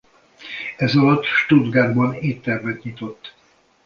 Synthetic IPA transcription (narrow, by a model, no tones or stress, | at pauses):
ɛzɒlɒt̪ːʃt̪ud̪ɡaːrbɒneːt̪ːɛrvɛt̪ɲit̪o̞t̪ː